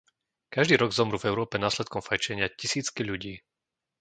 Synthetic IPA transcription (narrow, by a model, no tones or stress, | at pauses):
kaʒd̪iːɾɔɡzɔmɾuvɛʊɾɔːpɛnaːslɛt̪̚kɔmfajt͡ʃɛɲɪacisiːt͡skiʎuɟiː